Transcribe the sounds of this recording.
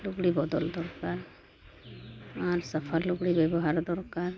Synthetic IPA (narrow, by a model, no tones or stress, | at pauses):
luɡɽibɔd̪ɔld̪ɔɾkaɾ | aɾsəpʰaluɡɽibɛbɔɦaɾd̪ɔɾkaɾ